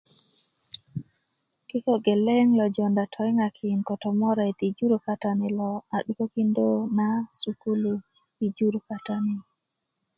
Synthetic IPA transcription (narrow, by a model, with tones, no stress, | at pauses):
ki˦ko˨ɡe˨le˦ŋlɔ˨d͡ʒɔ˨nda˨tʰɔ˨jŋa˨kʰi˨nkɔ˨tɔ˨mɔ˦ɾe˨ti˨d͡ʒu˦ɾu˨ka˦ta˨ni˨lɔ˨a˨ɗu˦ko˦ki˦ndo˦na˦su˨ku˦lu˨ | i˨d͡ʒu˦ɾu˨ka˨ta˦ni˨